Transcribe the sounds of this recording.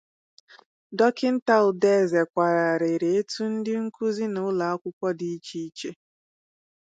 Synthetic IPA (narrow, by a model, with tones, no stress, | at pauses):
dɔ˦kɪ˦n̩˦ta˦lʊ˨de˦˨ze˨kʷa˨ɾa˨ɾe˨ɾe˨e˦tu˦n̩˦dɪ˦ŋ̩˦ku˦zi˦nʊ˨˦la˨a˦kʷʊ˦kʷɔ˦di˦t͡ʃi˦i˦t͡ʃe˦